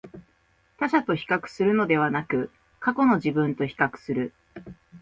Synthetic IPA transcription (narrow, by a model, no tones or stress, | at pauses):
t̪aɕat̪o̞çi̥kakɯ̟̥sɨɾɯ̟no̞d̪e̞βanakɯ̟ | kako̞no̞ʑibɯ̟̃nt̪o̞çi̥kakɯ̟̥sɨɾɯ̟